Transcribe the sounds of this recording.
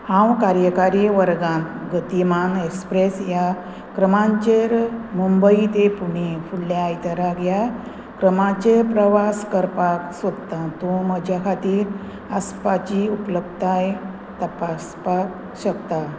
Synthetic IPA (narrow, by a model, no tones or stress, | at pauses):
hãwkaɾjəkaɾiʋəɾɡãnt̪ɡʱət̪imanekspɾesja | kɾəmãɲt͡ɕeɾmumbəit̪epuɽ̃ifulːjaːjt̪əɾaɡja | kɾəmãt͡ɕepɾəʋaskəɾpaksʋəd̪t̪at̪õməd͡ʑʱjakʰat̪iːɾ | əspat͡ɕiupləb̚t̪aj | t̪əpaspak | ɕək̚t̪a